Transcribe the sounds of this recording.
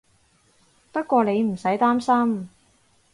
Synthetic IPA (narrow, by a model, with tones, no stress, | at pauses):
pɐ˥t̚kʷɔː˧ne˨˧jm̩˨˩sɐ˨˥jt̪aː˥msɐ˥m